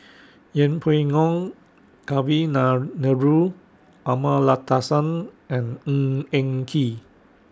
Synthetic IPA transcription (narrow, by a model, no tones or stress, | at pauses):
jɛ̃npʰoiŋɔ̃ŋ | kawinanəɹu | ʔamalat̪asãnʔɛ̃nɛ̃ŋkʰi